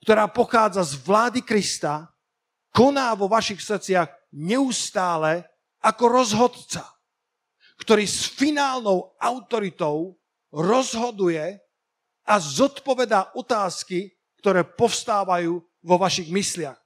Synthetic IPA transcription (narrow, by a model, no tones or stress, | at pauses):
kt̪ɔɾaːpɔxaːd͡zazʋlaːd̪ikɾist̪a | kɔnaːʋɔʋaʃixsr̩t͡sɪaɣ | ɲɛust̪aːlɛ | akɔɾɔzɦɔd̪t͡sa | kt̪ɔɾiːsfinaːlnɔʊaʊt̪ɔɾit̪ɔʊ | ɾɔzɦɔd̪ujɛ | azɔt̪pɔʋɛd̪aːʔɔt̪aːski | k̚t̪ɔɾɛːpɔfst̪aːʋajuː | ʋɔʋaʃiɣmislɪax